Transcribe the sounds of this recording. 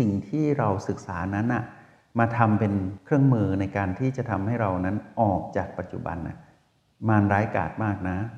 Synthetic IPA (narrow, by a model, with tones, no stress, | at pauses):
si˨˩ŋt̪ʰiː˥˩ɾa˧wsɯ˨˩k̚saː˩˦na˦˥nʔa˨˩ | maː˧t̪ʰa˧mpe˧nkʰɾɯ˥˩əŋmɯː˧na˧jkaː˧nt̪ʰiː˥˩t͡ɕa˨˩t̪ʰa˧mha˥˩jɾa˧wna˦˥nʔɔː˨˩k̚t͡ɕaː˨˩k̚pa˨˩t̪̚t͡ɕu˨˩ba̰˧nʔa̰˨˩ | maː˧nɾaː˦˥jka̰ː˨˩t̪̚maː˥˩k̚na˦˥